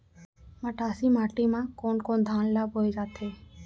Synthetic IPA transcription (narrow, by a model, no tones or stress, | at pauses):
məʈasimaʈimãkoɳkond̪ʱanlabɦojd͡ʒat̪ʰe